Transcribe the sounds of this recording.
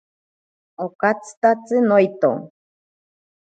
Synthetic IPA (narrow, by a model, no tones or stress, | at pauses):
okat͡sɨ̥t̪at͡sɨnojt̪o̰ŋ